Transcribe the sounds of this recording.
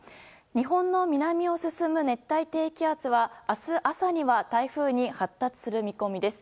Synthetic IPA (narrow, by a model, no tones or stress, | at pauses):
ɲ̟iɦõ̞nːo̞mʲinamʲio̞sɨsɨmɯ̟ne̞t̪ːait̪e̞ːkʲiat͡sɨβaːsɨʔasaɲ̟iβat̪aiɸɯ̟ːɲ̟ihat̪ːat͡sɨ̥sɨɾɯ̟mʲiko̞mʲid̪e̞sɨ̥